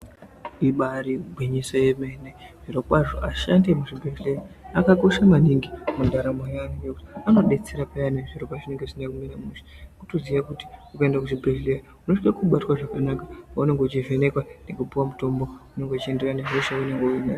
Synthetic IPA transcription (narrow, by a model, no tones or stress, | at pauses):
iɓaɾibʱwiɲisojemeneʐ̥irokwaʐoʔaʃandemuʐibʱeɬleaakako̞ʃamaniŋɡimundaɾamejaːneŋɡekutiano̞ɗe̞t͡seɾapajaneʐiro̞paʐine̞ŋɡeʐinakuminamuʃi̥ | kutoziʋakuti̥ukaendakuʐibʱeɮleja | uno̞ʂkakuɓatwaʐakanakapaune̞ŋɡot͡ʃive̞ne̞kwanekupuwamuto̞mbo̞une̞ŋɡo̞t͡ʃie̞nderaneʐoʃaune̞ŋɡeuina